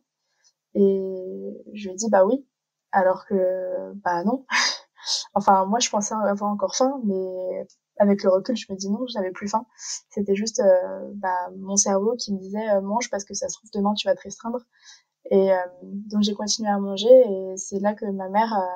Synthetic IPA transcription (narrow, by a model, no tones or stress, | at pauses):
e | ʒəməd̪ibawi | alɔʁkəbanɔ̃ | ɑ̃fɛ̃mwaʒəpɑ̃sɛɑ̃avwaʁɑ̃kɔʁfɛ̃mɛ | avɛkləʁəkʲylʒəməd̪inɔ̃ʒənavɛplyfɛ̃set̪ɛʒyst̪øbamɔ̃sɛʁvokʲiməd̪izɛømɑ̃ʒpaʁsə̥kəsasət̪χuvd̪əmɛ̃t̪yvat̪əʁest̪χɛ̃d̪ʁ | eømd̪ɔ̃kʒekɔ̃t̪inɥeamɑ̃ʒeːsɛlakəmamɛʁø